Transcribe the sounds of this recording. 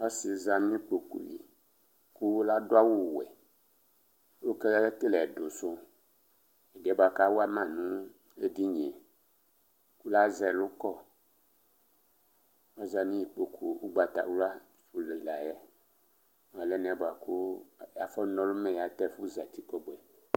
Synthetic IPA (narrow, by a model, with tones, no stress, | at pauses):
ɔ˦si˨za˨m˦ĩ˦k͡po˨kṵ˨jḭ˨ | ku˦la˦dʊ˦a˦wu˦˨wɛ̰˨˦ | wo˦kɛ˦t̪e˦lɛ˨do˨sʊ˦ | ɛ˨dɛ˨˦ba˨ka˦wo˦a˦mã˦˨nũ˦ | e˦di˦ɲ˨e˨ | ku˦la˦zɛ˨lʊ˦kɔ˦˨ | ɔ˦za˨nĩ˦i˨k͡po˨kʰu˨u˦ɡ͡ba˨t̪a̰˨wu˦la˦ | fu˨le˨la˨jɛ˦˨ | a˨lɛ˦n˨ɛ̃˨˦ba˨ku˦˨ja˨fɔ˦nɔ̃˦lʊ˦mɛ̃˨ja˨t̪ɛ˦˨fu˦za˨t̪i˦kɔ˦bwɛ˨